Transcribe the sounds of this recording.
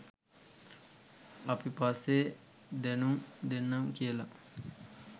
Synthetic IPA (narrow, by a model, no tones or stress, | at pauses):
ɐpipasːe | d̪ɛnuŋd̪enːɐŋkijəla